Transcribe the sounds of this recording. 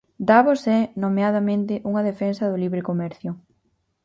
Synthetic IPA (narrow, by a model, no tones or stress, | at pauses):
d̪aβosɛnomeaðɐmẽnt̪ɪʔuŋɐðefensɐðʊliβɾekomɛɾθjʊ